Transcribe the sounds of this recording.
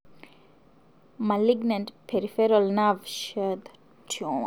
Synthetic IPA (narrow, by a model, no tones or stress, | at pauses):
maliɡnãntpʰɛɾifɛɾɔlnavʃɛd̪ | tʰɔ̃